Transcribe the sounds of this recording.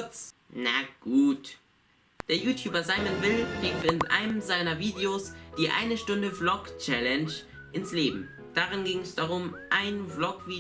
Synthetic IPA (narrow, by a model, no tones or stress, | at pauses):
t͡snaɡ̥uːt | d̥eːɐjuːtʰjuːbɐzaɪmənvɪlkʁ̥iːkfɪnʔa̰ɪnəmzaɪnɐviːdeosd̥iːʔa̰ɪnəʃtʊndəblɔkt͡ʃɛlɛnʃ | ʔɪnsleːbm̩ | d̥aʁɪnɡɪŋɛsd̥aʁʊmʔaɪnblɔkv̥iː